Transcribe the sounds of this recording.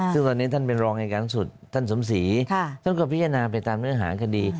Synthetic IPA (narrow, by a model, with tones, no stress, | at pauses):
sɯ˥˩ŋt̪ɔː˧nːiː˦˥t̪ʰa˥˩npe˧nɾɔː˧ŋna˧jkaː˧nsu˨˩t̪̚ʰːa˥˩nso˩˦msiː˩˦kʰt̪ʰa˥˩nkɔ˥˩pʰi˦˥t̪ʰa˧naː˧pa˧jt̪aː˧mnɯ˥˩ɐɦa̰ː˩˦kʰa˧diː˧